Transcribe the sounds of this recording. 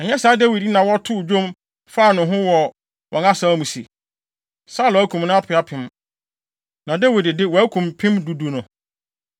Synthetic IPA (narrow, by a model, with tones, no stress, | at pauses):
ɛ˨ɲɛ˦saː˨˦dɛ˦wi˨di˦nã˨wɔ˦tʰʊ˦˨d͡ʑᶣõ˦m | fa˦˨nʊ̃˨ɦʊ̃˦wɔ˨ | wʔɔ̃˨na˦sa˦mũ˨si˨ | sa˦˨lɔ˨æ˦kʰũ˨mnʊ̃˦a˦pʰɪ˨a˦pʰɪ̃˦m | nã˨dɛ˦wɪ˨dɪ˨dɪ˦wɔ˨æ˦kʰũ˨mpʰɪ̃˦mdu˨du˨nʊ̃˨